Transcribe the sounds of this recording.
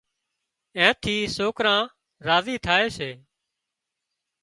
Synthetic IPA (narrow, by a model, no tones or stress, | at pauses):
ɛ̃ːt̪ʰiːsoːkɾãː | ɾaːziːt̪ʰaːeːseː